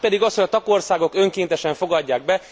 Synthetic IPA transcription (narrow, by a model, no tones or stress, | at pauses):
pɛd̪iɡɒshoɟɒt̪ɒko̞rsaːɡo̞kø̞ŋkeːnt̪ɛʃɛɱfo̞ɡɒɟːaːɡ̚bɛ